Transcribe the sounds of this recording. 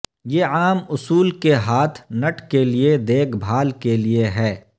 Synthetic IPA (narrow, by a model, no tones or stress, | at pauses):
jeːaːmʊsuːlkeɦaːt̪ʰnɐʈkelied̪eːkʰbʱaːlkelieɦɛː